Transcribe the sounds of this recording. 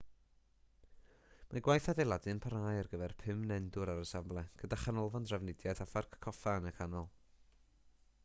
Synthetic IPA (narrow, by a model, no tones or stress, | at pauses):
maɡwajθadejlˠadɨnpʰaɾaːjarɡəvɛrpʰɪmnɛndʊɾaɾəsablˠɛɡ̥ədaχanɔlˠvɔndravnɪdjaθafarkʰːɔfanəkʰanɔlˠ